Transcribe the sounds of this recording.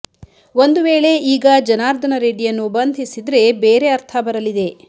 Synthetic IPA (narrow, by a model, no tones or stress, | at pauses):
o̞nd̪uʋeːɭe̞iːɡɐd͡ʒɐnaːɾd̪ʱɐnɐɾeːɖijɐnːubɐnd̪ʱisid̪ɾe̞beːɾe̞ɐɾt̪ʰɐbɐɾɐlid̪e̞